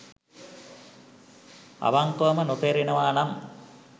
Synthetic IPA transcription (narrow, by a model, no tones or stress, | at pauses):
a̰ʋaŋkoːmənot̪eːɾinəʋaːnam